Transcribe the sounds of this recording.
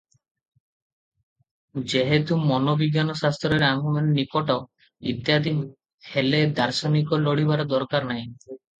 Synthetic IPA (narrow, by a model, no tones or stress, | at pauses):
d͡ʒeɦet̪umɔnobiɡjanɔsast̪ɾeɾaŋumannikɔʈɔ | ḭt̪jad̪ʱim | heled̪aɾsɔnikɔlɔɽ̤iβaɾɔd̪ɔɾkaɾnaj̃